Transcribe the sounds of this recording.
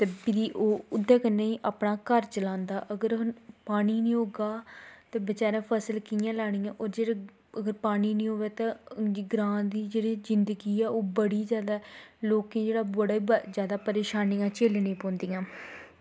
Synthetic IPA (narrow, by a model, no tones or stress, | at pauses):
t̪eːpɪd̪iːʔoːʊd̪ːãːkənːeːiːʔaːpnaːkəɾt͡ʃəlãːnd̪aːʔəɡəɾɦnpaːniːnĩːɦoːɡaːt̪ẽːbɪt͡ʃaːɾãːpʰəsəlkiːjãːlaːɽ̃iːjãːʔoːɾd͡ʒeːɽe | əɡəɾpaːniːnĩːɦoːʋeːt̪ãɡɾãːnd̪iːd͡ʒeːɽiːzɪnd̪əɡiːɛːoːbəɽiːzjaːd̪aːloːkẽːd͡ʒeːɽaːbəɽaːibzjaːd̪aːpəɾeːʃaːnijãːt͡ʃeːlnĩːpɔ̃ːnd̪iːãː